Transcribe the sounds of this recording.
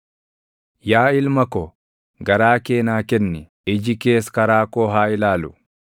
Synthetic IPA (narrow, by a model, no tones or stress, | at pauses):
jaːɪlmɐkɔ | ɡɐɾaːke̞ːnaːkɛnːɪ | ɪd͡ʒɪke̞ːskɐɾaːkoːɦaːɪlaːlʊ